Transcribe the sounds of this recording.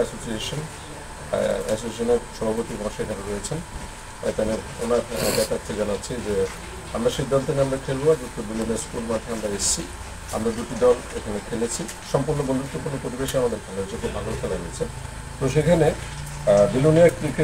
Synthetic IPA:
ɛsosieʃon | ɛsosiʃoneɾʃɔbʱabot̪ibãŋʃekʰaneɾojet͡ɕʰen | t̪ane | o̰naɾbɛt̪at̪ʰːed͡ʑanatːɕʰid͡ʑe | amɾaʃejd̪ɔlt̪enamɾakʰelboad͡ʑot̪ːobiloniaɾskulmat̪ʰeamɾaeʃt͡ɕʰi | a̰mɾad̪uʈid̪ɔl | ekʰanekʰelet͡ɕʰi | ʃɔmpuɾnobond̪ut̪ːokonopɾoɾibeʃiamad̪eɾkʰanlaet͡ɕʰekʰobʱaɡoɾfʰelaɦijet͡ɕʰe | t̪oʃ̬ekʰane | biloniaɾkɾike

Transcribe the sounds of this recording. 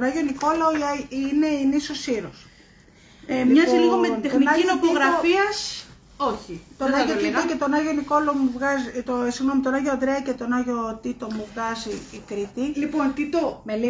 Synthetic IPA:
t̪onɐʝoniko̞lɐoine̞inisosiɾos | miɐziliɣoment̪extoninɐinot̪oɣɾɐofiɐs | oçit̪onɐʝot̪it̪ocet̪o̞nɐʝoniko̞lɐomuvɣɐzt̪osiɣno̞mit̪onɐʝoɐnd̪ɾeɐcet̪o̞nɐʝot̪it̪o̞muvɣɐziːkɾit̪ilipont̪it̪ome

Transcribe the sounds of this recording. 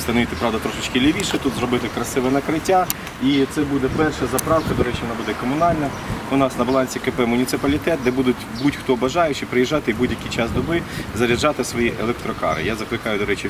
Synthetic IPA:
st̪ɐnɔʋit̪ɪpɾɑʋd̪ɐt̪ɾɔʃɪt͡ʃkɪlʲɪʋʲiʃɛt̪ut̪zɾɔbɪt̪ɪkɾɐsɪʋɛnɐkɾɪtʲːa | it̪sɛbud̪ɛpɛrʃɐzɐpɾɑwkɐd̪ɔɾɛt͡ʃʲiʋɔnɑbud̪ɛkɔmʊnɑlʲnɐ | ʊnɑsnɐbɐlˠɑnʲsʲikɛpɛmʊnʲit̪sɪpɐlʲit̪ɛt̪̚d̪ɛbud̪ʊtʲbutʲxt̪ɔbɐʒɑjʊt͡ʃɪpɾɪjiʒːɑt̪ɪbudʲjɐkʲijt͡ʃɑsd̪ɔbɪzɐɾʲɪd͡ʒːɑt̪ɪsʋɔjiʔelˠɛk̚t̪ɾɔkɑ̰ɾɪ̰jazɐklˠɪkɑjʊd̪ɔɾɛt͡ʃi

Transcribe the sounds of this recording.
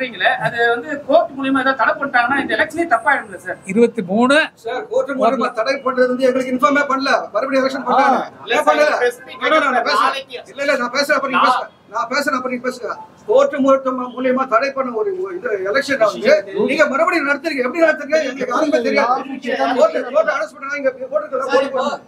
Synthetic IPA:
ɾiːŋɡɐɭɐɐðɯʋɐnd̪ɯkoːɾʈːɯmʊlɪjɐmaːɛðãːt̪ɐɽɐpːɐɳːɯʈːaːŋɡɐnːaːɪndɐɛlɛkʂɐneːt̪ɐpːaːɪɽɯmlɐsaːɾɪɾɯʋɐt̪ːɯmuːnɯsɐɾkoːɾʈːɯmuːljɐmaːt̪ɐɽɐɪpːɐɳːɐðɐʋɐnd̪ɯɛŋɡɐɭɯkːɯɪnfoːɾmeːpɐɳːɐlɐmɐɾɐbɐɽɪɛlɐkʂɐnpɐɳːaːeːpɐnːɐlɐɐnnãːnɐpeːsɐɾɐ̃ɪlːɐɪlːɐnãːpeːsɐɾ̃ːɐpːɐɾɪɡpeːsɐ̃ | nãːpeːs̬ɐɾɐ̃ɐpːɐɾɪɡpeːs̬ɯŋɡɐɾaː | koːɾʈɾɯmʊɐʈ̪ːɐmmʊlɪjɐmaːt̪ɐɽɐɪpːɐɳːɐ̃ɔɾɯɪnd̪ɐɛlɛkʂɐnaɐɯniːŋɡɐmɐɾɐbɐɽinɐɽɐt̪ːɪɾɯkːɡɐ̃ɛpːɐɽinɐɽɐt̪̬ːɪɾɯkɡɐ̃ɛŋɡɐɐkːaːɾɐmeːt̪ɪɾɪŋɡɐ̃ɐkoːʈːɯkoːʈːɐɐɽɐspɐʈːɐnaːɪŋɡɐkoːʈːɾɯkːɐlːãːkoːɽɯpːɐ̃

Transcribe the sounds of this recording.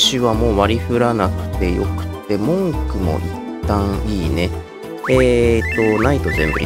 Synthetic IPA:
ɕiβamo̞ːβaɾʲiɸɯ̟ɾanakɯ̟̥t̪e̞jo̞̰kɯ̟̥t̪ːe̞mõ̞ŋkɯ̟mo̞̰ʔit̪ːãŋiːne̞ | eːt̪o̞nait̪o̞zẽ̞mbɯ̟

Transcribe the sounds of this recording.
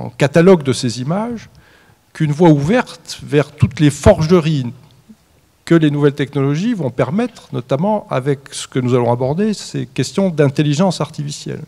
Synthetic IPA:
ɑ̰̃kat̪alɔɡd̪əsezimaʒ | kynvwauvɛʁt̪vɛʁt̪ut̪lefɔʁʒəʁi | kəlenuvɛlt̪ɛknɔlɔʒivɔ̃pɛʁmɛt̪χnɔt̪amɑ̃a̰vɛksə̥kənuzalɔ̃abɔʁd̪esekʲɛst̪jɔ̃d̪ɛ̃t̪eliʒɑ̃saʁt̪ifisjɛ̰l

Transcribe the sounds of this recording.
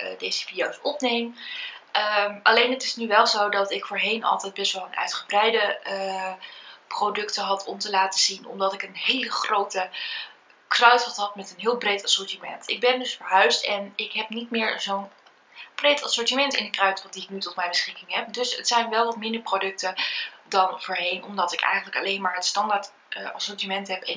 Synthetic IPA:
dejzəfidiowsɔpnejm | əʔɑlejnətɪsnyʋɛlˠzowdɑtɪkfʊːɹɦejnɑ̰lˠtɛjd̚bɛstʋɛlˠənœ̰ɥtχəbrɛjdə | prowdɵktəɦɑtʰɔmtəlaːtəz̥inɔ̰mdɑtɪkənɦejləχrowtə | krœɥtɔχtɦɑtmɛtənɦɪːlˠbrejtɑsʊɹtimɛ̰ntɪ̰ɡ̚bɛndɵsfəɹɦœɥstɛnɪkɦɛpnitmɪːɹzown | b̥rejtɑsʊɹtimɛntɪ̰ndəkrœɥtɔχdiɪknytɔtmɛjbəsχɪkɪŋɦɛp̚dɵsə̰tsɛjnʋɛlˠʋɑtmɪndəɹprowdɵk̚tədɑnvʊːɹɦejnɔmdɑtɪkɛ̰jχəndələkɑlejnmaːɹɦənstɑndaɹt | ɑsɔɹtimɛntɦɛpɛn

